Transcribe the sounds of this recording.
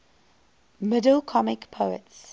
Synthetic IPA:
mɪdəlˠkʰɔmɪkpʰoʊə̰ts

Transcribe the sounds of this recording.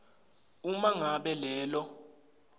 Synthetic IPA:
umaŋaɓɛlɛːlɔ

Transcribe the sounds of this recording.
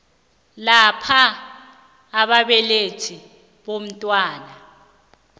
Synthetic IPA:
lapʰa | ɓaɓɛletʰi | ɓom̩tʼwaːna

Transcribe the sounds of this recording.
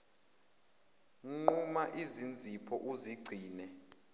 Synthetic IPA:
ŋ͡ǃumaʔizind͡zʱipʰɔʔuziɡ͡ǀʱiːnɛ

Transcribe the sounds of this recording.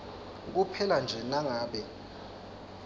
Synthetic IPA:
k̬upʰɛland͡ʒʱɛnaŋaːɓɛ

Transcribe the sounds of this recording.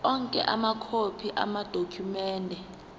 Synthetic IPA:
ɔŋkʼɛ̰ʔamakʰopʰiʔa̰mad̥ʱokʰumɛːndʱɛ

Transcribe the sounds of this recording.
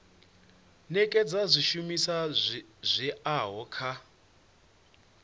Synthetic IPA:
nɛkʼɛd͡zazʷiʃumisazʷɛaɦɔkʰa

